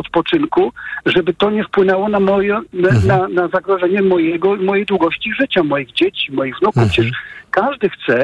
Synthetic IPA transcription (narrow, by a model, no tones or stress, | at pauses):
ɔt̪pɔt͡ʂɘnkuʐɛbɘt̪ɔɲɛfpwɘnɛwɔnamɔjɛnnanazaɡɾɔʐɛɲɛmɔjɛɡɔimɔjejd̪wuɡɔɕt͡ɕiʐɘt͡ɕamɔjiɣd͡ʑet͡ɕimɔjiɣvnuku̥t͡ɕɛʂkaʐd̪ɘxt̪sɛ